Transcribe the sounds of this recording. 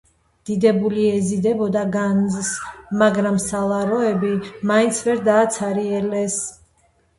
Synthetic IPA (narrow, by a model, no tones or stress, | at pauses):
d̪̥id̪ɛbuliɛzid̪ɛbɔd̪aɡanzsmaɡɾamsalˠaɾɔɛbimaint̪sʰvɛɾd̪aːt̪sʰaɾiɛlɛs